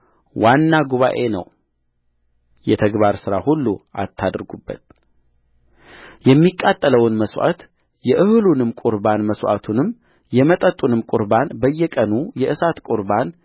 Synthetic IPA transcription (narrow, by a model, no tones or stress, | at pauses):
wanːaɡuβa̰ʔe̞nə̰w | jɛt̪ʰəɡβaɾsɨɾahulːṵʔa̰t̪ʰːad̪ɾɡubːə̰t̪̚ | jɛmːikʼːat̪ʼːələwɨnməswʔa̰t̪ | jɛʔɨhɨlunɨmkʼuɾbanməswʔa̰t̪ʰunɨm | jɛmət̪ʼət̪ʼːunɨmkʼʊɾbanbəjːɛkʼənujɛʔɨsat̪kʼʊɾban